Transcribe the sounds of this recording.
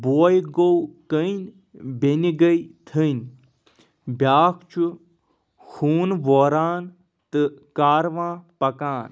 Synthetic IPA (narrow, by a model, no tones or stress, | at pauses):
boːjɡowkəinʲ | beniɡəjt̪ʰɨnʲ | bʲjaːkʰt͡ʃʰu | xʰuːnʋoːɾaːn | t̪ɨkaːɾʋãːpɐkaːn